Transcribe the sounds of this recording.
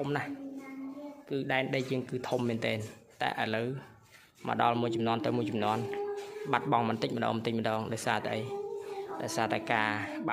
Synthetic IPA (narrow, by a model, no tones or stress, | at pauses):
umnah | kɨːɗaɛnɗəjjəːŋkɨːt̪ʰumːɛːnt̪ɛːn | t̪a̰ɛʔəələw | mə̰̆ɗɑlmuəjt͡ɕɑmnŏənt̪ɨwmuəjt͡ɕɑmnŏənɓat̪̚ɓɑŋmɨnt̪ɨc̚məɗɔ̰ːŋmt̪ɨc̚mə̆ɗɑːŋɗaɔjsaːt̪ə̰jɗaɔjsaːt̪aɛkaːɓa